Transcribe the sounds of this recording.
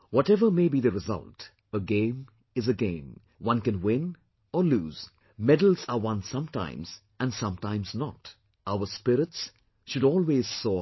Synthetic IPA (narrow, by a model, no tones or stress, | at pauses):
wɔtɛvəmeɪbiːðɨɹɪzʌ̰lˠt | əɡẽɪ̃m | ɨzəɡẽɪ̃m | wʌ̃nkɨ̃nwɪ̃n | ɔluːz̥ | mɛdl̩ˠzəwʌ̃nsʌ̃mtã̰ɪ̃mz̥ | ʔæ̃nsʌ̃mtãɪ̃mznɔ̰t | ʔaʊə˞spɪɾɪts | ʃʊɾɔːlˠweːz̥soː